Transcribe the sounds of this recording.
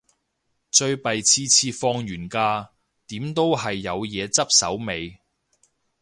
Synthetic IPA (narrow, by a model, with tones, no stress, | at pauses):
t͡ʃɵ˧ɥpɐ˨jt͡sʰiː˧t͡sʰiː˧fɔː˧ŋjyː˨˩nkaː˧ | t̪iː˨˥mt̪o˥wɦɐ˨jːɐ˨˧wjɛː˨˧t͡sɐ˥p̚sɐ̰˨˥wme˨˧j